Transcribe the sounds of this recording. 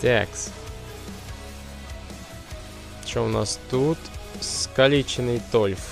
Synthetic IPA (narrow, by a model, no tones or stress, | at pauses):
t̪ʲɛ̰ks | t͡ɕoʊna̰st̪ut̪skɐlʲit͡ɕɪnɨjt̪olʲf